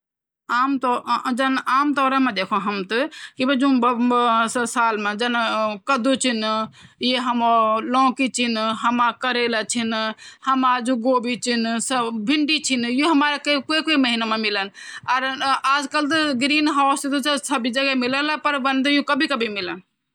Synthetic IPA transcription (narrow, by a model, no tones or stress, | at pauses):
amt̪ɔd͡ʒənaːmt̪ɔːɾəmẽd̪ekʰɔɦəmt̪ɨkibəd͡ʒũbsəsaːlmẽd͡ʒənkəd̪ut͡ʃʰinjeɦəmɔlɔ̃ːkit͡ʃʰinɦəmakəɾelət͡ʃʰinhəmad͡ʒũɡoːbit͡ʃʰinsəbʱiɳɖit͡ʃʰinjũɦəmaɾekkokoiməɦinamemilənaɾaːd͡ʒkəlt̪ɡɾiːnɦasit̪ut͡ʃsəbʱid͡ʒəɡɛmiləlapəɾbənd̪jũkəbʱikəbʱimilən